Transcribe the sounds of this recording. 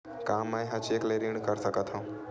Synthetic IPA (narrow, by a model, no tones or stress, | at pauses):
kaːmãẽɦət͡ʃeːkleɾiɳ̃kəɾsəkət̪ʰã